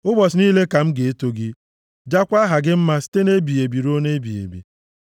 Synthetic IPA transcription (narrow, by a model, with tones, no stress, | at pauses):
ʊ˦bɔ˨sniː˦le˦ka˨m̩˦ɡe˨e˦to˨ɡɪ˦ | d͡ʒa˦kʷa˦ɦa˨ɡɪ˦m̩˦ma˦si̥˦te˦ne˦bi˨e˨bi˨ɾo˦ne˦bi˨ḛ˨bḭ˨